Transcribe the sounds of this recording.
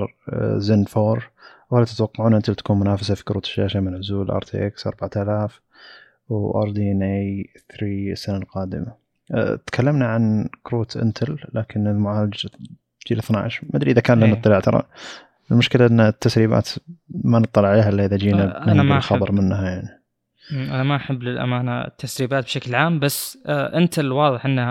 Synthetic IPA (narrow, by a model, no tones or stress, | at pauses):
ɾˤzɪnfoːɾˤ | whalat̪ɪt̪wɑqːɑʕuːnʔɪnt̪ɪlt̪ḁkuːnmʊnaːfasafi̥kɾṵːt̪ɪ̥ʃːa̰ːʃamɪnʕʊzuːlʔɑ̰ːɾˤt̪ḭʔɪksʔɑ̰ɾˤbaʕat̪alaːf | wʔɑ̰ɾˤd̪inʔejθɾiːsːanalqɑːd̪ɪ̰ma | t̪kʰalːamnaʕankɾuːt̪ʰʔɪ̰nt̪ʰɪlːaːkɪnɪlmʊʕaːlɪd͡ʒ | d͡ʒiːlɪθna̰ʕʃmad̪ɾiʔɪðakaːnlanɨt̪ˤːɑlɪʕt̪ɑɾˤɑ̰ | ɪlmʊʃkɪlaʔɪnːat̪ːasɾiːba̰ːt̪manɨt̪ˤːɑlːɪʕaleːɦaʔɪlːiʔɪðad͡ʒiːnabnanalxɑbɑɾˤmɪnːhajaʕni | ʔanamaʔaħabːlɪlʔa̰maːna̰t̪ːasɾiːbaːt̪̚bʃaklʕaːmbasːʔɪnt̪ɪlwɑːðˤɨħʔɪnː